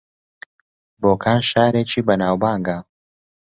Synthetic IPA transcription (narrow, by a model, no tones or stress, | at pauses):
boːkʰaːnʃaːɾeːt͡ʃʰiːbɐnaːwbaːŋɡa